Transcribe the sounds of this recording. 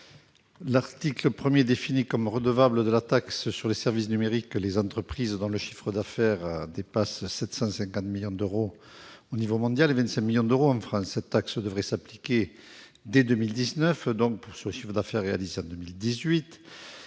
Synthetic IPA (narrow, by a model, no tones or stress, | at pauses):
laʁt̪ikləpχəmjed̪efinikɔmʁəd̪əvabləd̪əlat̪akssyʁlesɛʁvisnymeʁiklezɑ̃t̪χəpχizd̪ɔ̃ləʃi̥fχəd̪afɛʁd̪epassɛt̪sɑ̃sɛ̃ŋkɑ̃t̪miljɔ̃d̪øʁo | onivomɔ̃d̪jalevɛ̃nt̪sɛ̃kmiljɔ̃d̪əʁoɑ̃fχɑ̃sːɛt̪t̪ːaksd̪əvʁɛsaplikʲe | d̪ed̪ømild̪iznœfd̪ɔ̃k̚puʁsyʁləʃi̥fχəd̪afɛʁːea̰lizeɑ̃d̪əmild̪izɥit̪